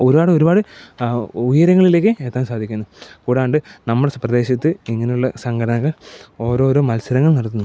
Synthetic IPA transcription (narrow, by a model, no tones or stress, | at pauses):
o̞ɾubaːɽɨo̞ɾubaːɽɨ | ujɐɾɐŋːɐɭile̞ːkːɨe̞ːt̪ːaːmsaːd̪ʱikʲːunːɐkuːɽaːɳɖɨnɐmːuɽeprɐd̪e̞ːɕɐt̪ːɨiŋːɐnejuɭːɐsɐŋɡɐɽɐnɐɣːɐɭo̞ːɾo̞ːɾo̞ːmɐlsɐɾɐŋːɐɭnɐɽɐt̪ːunːu